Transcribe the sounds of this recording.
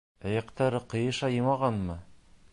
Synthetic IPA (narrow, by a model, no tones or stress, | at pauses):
æjɑqt̪ɑɾɤqɤ̆jɤ̆ʃɑjɤmɑʁɑnmɤ